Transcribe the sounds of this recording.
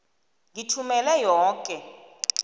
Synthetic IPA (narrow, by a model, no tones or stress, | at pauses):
ŋʱitʰumɛlɛjɔːkʼɛ